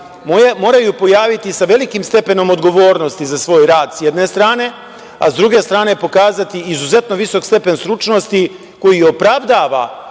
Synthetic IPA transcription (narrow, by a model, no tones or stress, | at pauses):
mmo̞ːɾajupo̞jaːʋit̪isaʋe̞likimst̪e̞pe̞no̞mo̞d̪ɡo̞ʋo̞ːɾno̞st̪izasʋo̞ːjɾaːd̪sjed̪ne̞st̪ɾaːne̞ | a̰zd̪ɾuɡe̞st̪ɾaːne̞po̞kaːzat̪iːzuze̞t̪no̞ʋiso̞kst̪e̞pe̞nst̪ɾut͡ʃno̞st̪i | ko̞jio̞pɾaʋd̪aːʋa̰